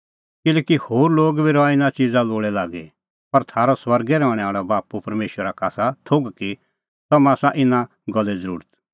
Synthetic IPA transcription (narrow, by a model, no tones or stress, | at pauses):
kɪlɛːkihoːɾloːɡbiɾɔaɪnãt͡ʃid͡zaloːɽɛlaːɡɛ | pɐɾt̪ʰaːɾɔswɐɾɡɛɾɔ̃ːɽ̃ɛ̃aːɭabaːpupɐɾmeːʃwəɾakaːsat̪ʰoɡki | t̪ɔmaːsaʔɪnã | ɡɔlːɛd͡zəɾṵːɾət̪